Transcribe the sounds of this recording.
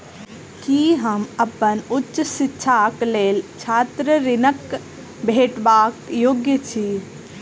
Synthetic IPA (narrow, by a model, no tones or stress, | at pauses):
kiɦəməpənʊtːʃəsitːʃʰakleːlt͡ʃʰat̪ɾəɾɪnək | bʱeʈbaːkjoːɡjət͡ʃʰi